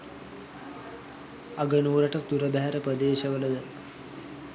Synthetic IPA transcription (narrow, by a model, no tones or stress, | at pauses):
ɐɡənuːɾɐʈɐsd̪uɾɐbaɦɐɾɐpɾɐd̪eːʃɐʋɐlɐd̪ə